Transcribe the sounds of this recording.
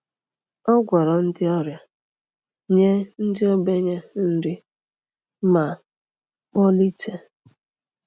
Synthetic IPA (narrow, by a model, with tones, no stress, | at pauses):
ɔ˦ɡʷɔ˨ɾɔ˨n̩˦dɪ˦ɔ˦ɾja˦ | ɲe˦n̩˦dɪ˦ɔ˦be˦ɲe˦n̩˦dɪ˦ | ma˨ | k͡pɔ˦li˦te˦